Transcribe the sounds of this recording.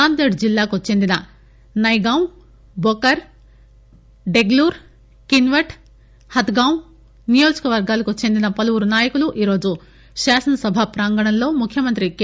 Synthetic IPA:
aːnd̪eːɖd͡ʒilːaːkut͡ʃe̞nd̪inɐ | nɐjɡaːw | bokɐɾ | ɖeɡluːɾ | kinʋɐʈ | hɐt̪ɡaː | nijoːd͡ʒɐkɐʋɐɾɡaːlɐkut͡ʃe̞nd̪inɐpɐlɐʋuɾunaːjɐkuluʔiːɾo̞ːd͡ʒu | ʃaːsɐnɐsɐbʱɐpɾaːŋɡɐɳɐnlo̞ːmukʰːjɐmɐnt̪ɾik

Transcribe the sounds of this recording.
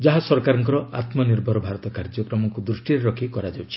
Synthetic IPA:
d͡ʒaɦasɔɾkaɾɔŋkɔɾɔa̰t̪mɔniɾbʱɔɾɔbʱaɾɔt̪ɔkaɾd͡ʒɔkɾɔmɔŋkud̪ɾuʃʈiɾeɾɔkʰikɔɾad͡ʒawt͡ʃʰi̥

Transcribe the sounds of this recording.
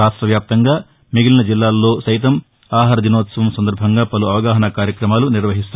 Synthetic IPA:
aːʂʈɾɐʋjaːp̚t̪ɐŋɡaː | miɡilinɐd͡ʒilːaːlːo̞ːsɐjt̪ɐm | aːɦaːɾɐd̪inoːt̪sɐʋɐmsɐnd̪ɐɾbʱɐŋɡaːpɐluɐʋɐɡaːɦɐnɐkaːɾjɐkɾɐmaːluniɾʋɐɦist̪u

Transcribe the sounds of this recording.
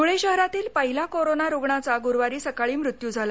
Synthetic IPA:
uɭeɕəɦɾat̪iːlpəɦilakoɾonaɾoɡɳat͡saɡuɾʋaɾiːsəkaɭiːmɾut̪juːd͡zʱala

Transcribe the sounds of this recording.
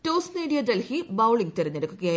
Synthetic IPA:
toːsneːɽijɐd̪elhibɐwɭiŋɡ̚t̪eɾɐɲːeɽukːuɣɐjaː

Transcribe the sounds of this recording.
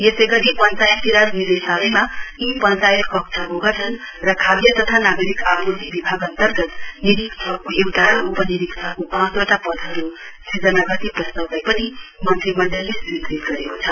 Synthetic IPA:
jesejɡʌʈipʌnt͡sajt̪iɾaɾnid̪esabijmaipʌnt͡sajʌt̪kʌk̚t͡sʰʌɦoɡat͡sʰʌn | rʌkʰabjʌt̪ʌt̪ʰanaɡʌɾikapʰutibibʱaɡʌnt̪ʌrɡʌt̪niɾiktʰʌkoewʈaupʌniɾikt̪ʰʌkopãt͡swaʈapʌd̪ʱɦʌɾusid͡zʌnaɡʌt̪iprʌst̪awdajpʌnimʌnt̪ʰimʌɳɖelːesik̪ɾit̪ɡʌɾekot͡sʰʌ

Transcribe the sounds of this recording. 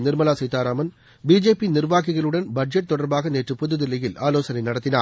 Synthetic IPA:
nɪɾmɐlaːsɐɪt̪ːaːɾaːmɐn | biːd͡ʒeːpːinɪrʋaːkɪɣɐɭɯɽɐnbɐɖ̚d͡ʒɐʈ̚t̪ːɔɽɐɾbaːɣɐneːʈrɯpʊðɯðɪlɐjɪlʔa̰ːloːsɐnɐɪnɐɽɐt̪ːɪna̰ː

